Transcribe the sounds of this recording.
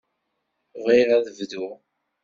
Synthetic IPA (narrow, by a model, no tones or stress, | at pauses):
ʁiɾaðəvðu